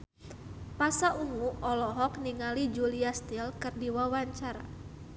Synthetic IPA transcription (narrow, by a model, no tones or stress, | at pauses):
pasaʔuŋuɔlɔɦɔkniŋalid͡ʒuliast̪ilkɨrdiwawaɲt͡ʃaɾa